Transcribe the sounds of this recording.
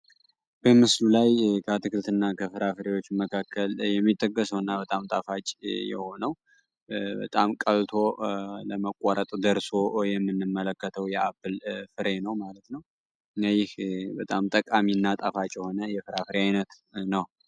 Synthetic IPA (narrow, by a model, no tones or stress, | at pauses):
b̥əmɨslulajkʰət̪ʰɨkɨɾt̪ʰɨnːakʰəfɨɾafɨɾewo̞t͡ʃːməkʰakːəljɛmːit̪ʼːəkʼːəsəwɨnːabət̪ʼamt̪ʼafat͡ʃʼjɛ̰ho̞nəw | bə̰t̪ʼamkʼəlt̪ʰo̞ləməkʼːaɾət̪ʼd̪əɾso̞jɛmːɨnːɨmːələkːət̪ʰəwjɛʔabɨlfɨɾe̞nəwmalət̪nəw | ɨnɛjɪhbət̪ʼamt̪ʼəkʼaminːat̪ʼafat͡ʃʼjɛho̞nəjɛfɨɾafɨɾeajnət̪ | nəw